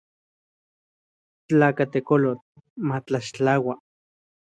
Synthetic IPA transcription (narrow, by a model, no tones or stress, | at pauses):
taːkat̪ekolot͡ɬ | mat͡ɬaʃt͡ɬawa